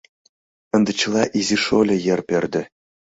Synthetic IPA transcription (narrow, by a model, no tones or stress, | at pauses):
ɘ̆nd̪ɘ̆t͡ɕɤ̆lˠɑʔizʲiʂolʲɘ̆jĕrpʲerd̪ʲɘ̆